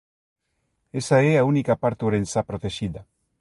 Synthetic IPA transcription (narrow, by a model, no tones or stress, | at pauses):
esaeaunikapaɾt̪uɾensapɾot̪eʃiða